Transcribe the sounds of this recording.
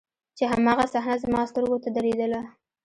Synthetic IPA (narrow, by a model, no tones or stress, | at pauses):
t͡ʃeɦamɑɣasahnazəmɑst̪əɾɡot̪ad̪aɾed̪əla